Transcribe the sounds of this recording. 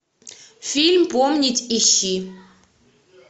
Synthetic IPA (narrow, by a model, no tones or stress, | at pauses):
filmbɔmnitʰiʃi